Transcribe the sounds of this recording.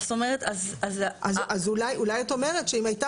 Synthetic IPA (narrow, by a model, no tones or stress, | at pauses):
st̪omeʁet̪azazʔazazulajulajato̞me̞ʁetʃeimajta